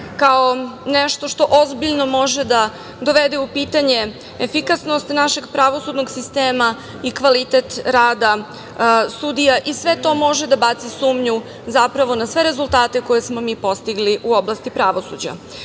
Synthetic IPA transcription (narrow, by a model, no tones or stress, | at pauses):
kaoneʃt̪o̞ʃt̪o̞ʔozbiʎno̞mo̞ʒed̪a | d̪o̞ʋed̪eupiːt̪aɲe̞ | efikasno̞st̪naʃe̞ɡpɾaʋo̞sud̪noɡsist̪eːma | ikʋalit̪et̪ɾaːd̪a | sud̪ijaʔisʋe̞t̪o̞mo̞ʒed̪abat̪sisuːmɲu | zapɾaʋo̞nasʋe̞ɾe̞zulˠt̪aːt̪e̞ko̞je̞smo̞miːpo̞st̪iɡliʔuo̞blˠast̪ipɾaʋo̞sṵd͡ʑa̰